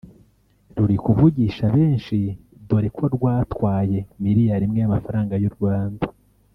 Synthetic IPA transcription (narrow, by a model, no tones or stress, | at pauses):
ɾuɾikuvuɟiʃaβe̞ːnʃi | duɾekwoɾɡwaːtwaːje̞miɾijaɾimŋejamafaɾaːŋɡajuɾɡwaːnda